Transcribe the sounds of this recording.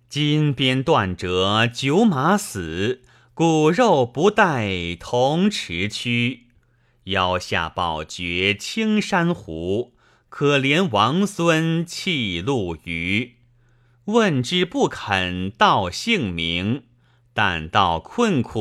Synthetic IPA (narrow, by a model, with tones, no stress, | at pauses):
t͡ɕi˥npjɛ˥nt̪wa˥˩nʈ͡ʂɤ˧˥˦t͡ɕjo˧˥ʊma˧˥sɹ̩˨˩˦ | ku˨˩ɻo˥˩ʊpu˧˥t̪a˥˩ɪt̪ʰʊ˧˥ŋʈ͡ʂʰɻ̩˧˥t͡ɕʰy˥ | jɑ˥˧˩ʊɕja̰˥˩pɑ˨˩ʊt͡ɕɥɛ˧˥t͡ɕʰi˥ŋʂa˥nxu˧˥ | kʰɤ˨˩ljɛ˧˥nwɑ˧˥ŋswə˥nt͡ɕʰi˥˧lu˥˩y˧˥ | wə˥˧nʈ͡ʂɻ̩˥pu˥˩kʰə˨˩nt̪ɑ˥˩ʊɕi˥˩ŋmi˧˥ŋ | t̪a̰˥˧˩nt̪ɑ˥˩ʊkʰwə˥˧nkʰu˥˩